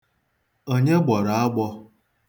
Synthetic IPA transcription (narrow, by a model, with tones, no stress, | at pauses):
o˦ɲe˦ɡ͡bɔ˨ɾa˨a˦ɡ͡bɔ˦